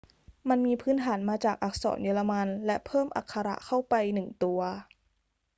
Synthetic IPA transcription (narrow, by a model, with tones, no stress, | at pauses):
ma˧nmiː˧pʰɯː˦˥nt̪ʰaː˩˦nmaː˧t͡ɕaː˨˩k̚ʔa˧˩k̚sɔ̰ː˩˦njɤː˧la˧ma˧nlɛ˦˥ʔpʰɤː˥˩mʔa̰˨˩kʰːa˧ɾa̰˧˥ʔkʰa˥˩wpa˧jnɯ˨˩ŋt̪u˧ɐ